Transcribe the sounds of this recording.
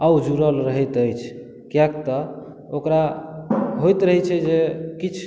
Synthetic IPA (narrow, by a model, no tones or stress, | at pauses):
awd͡ʒuɾəlɾəɦɛt̪əjt͡ʃʰ | kjak̚t̪ə | okɾa | ɦojt̪ɾəɦɛt͡ʃʰɛd͡ʒekit͡ʃʰ